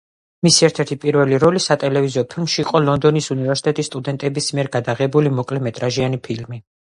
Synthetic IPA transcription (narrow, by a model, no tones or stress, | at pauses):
misiɛɾt̪ʰɛɾt̪ʰipʼiɾvɛliɾɔlisat̪ʼɛlɛviziɔpʰilmʃiːqʼɔlɔnd̪ɔnisunivɛɾsi̥t̪ʼɛt̪ʼist̪ʼud̪ɛnt̪ʼɛbismiɛɾɡad̪aʁɛbulimɔkʼlɛmɛt̪ʼɾaʒianipʰilmi